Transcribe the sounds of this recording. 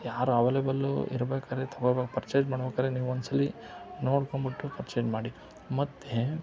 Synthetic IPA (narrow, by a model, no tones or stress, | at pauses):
jaːɾuɐʋeːlebɐlṵḭɾɐbeːkaːɾet̪ʰɐɡobeɡpɐɾt͡ʃeːd͡ʒmaːɽɐbeːkaːɾeniːʋɔnsɐlːi | noːɽkoɳbiʈːupɐɾt͡ʃeːd͡ʒmaːɽi | mɐt̪ːe